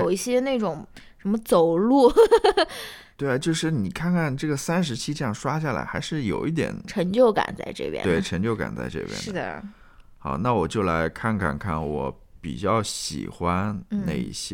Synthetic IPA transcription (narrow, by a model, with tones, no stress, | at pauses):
jo˨˩ʊi˥˩ɕjɛ˥ne˥˩ɪʈ͡ʂʊ˨˩˦ŋʂə˧˥nmə˧t͡so˨˩ʊlu˥˩ | t̪we˥˩ɪ˩t͡ɕjo˥˧ʊʂɻ̩˥˩ni˨˩kʰa˥˧nkʰa˥˩nʈ͡ʂɤ˥˩ɡə˩sa˥nʂ̬ɻ̩˧˥t͡ɕʰi˥ʈ͡ʂjɑ˥˩ŋʂwa˥ɕja˥˩la̰˧˥ɪxa˧˥ɪʂɻ̩˥˩jo˨˩ʊʔi˥˩t̪̬jɛ̰˨˩˦nʈ͡ʂʰɤ˧˥ŋt͡ɕjo˥˩ʊka̰˨˩nt͡sa̰˥˧ɪʈ͡ʂɤ̰˥˩pjɛ̰˥we˥˩ɪʈ͡ʂʰɤ˧˥ŋt͡ɕjo˥˧ʊka̰˨˩nt͡sa̰˥˧ɪʈ͡ʂɤ̰˥˩pjɛ̰˥dɻ̩˥˩d̪ə̰˨˩ | xɑ˨˩˦na˥˩wɔ˨˩t͡ɕjo˥˩ʊla˧˥ɪkʰa˥˩nkʰa̰˥˧nkʰa˥˩nwɔ˧˥ | pḭ˨˩t͡ɕjɑ˥˩ʊɕḭ˨˩xwa˥n̩˥nḛ˥˩ɪḭ˥˩ɕjɛ˥